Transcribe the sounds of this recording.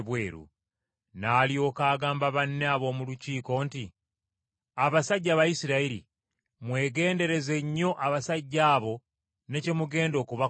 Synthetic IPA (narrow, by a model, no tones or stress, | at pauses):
βwe̞ːɾṵ | naːlio̞ːkaːɡaːmbaβanːeaβo̞ːmuluciːko̞ːnti | aβasaɟːaβajisiɾaiɾḭ | mwe̞ːɡe̞ːnde̞ɾe̞ze̞ɲːo̞ʔaβasaɟːaːβo̞ | ne̞ce̞muɡe̞ːndoːkuβa